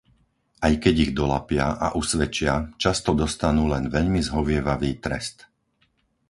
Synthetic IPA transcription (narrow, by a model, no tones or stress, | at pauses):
ajkɛɟiɣd̪ɔla̰pɪaʔa̰ʔusʋɛt͡ʃɪat͡ʃast̪ɔd̪ɔst̪anuːlɛnʋɛʎmizɦɔʋɪɛʋaʋiːt̪ɾɛ̰st̪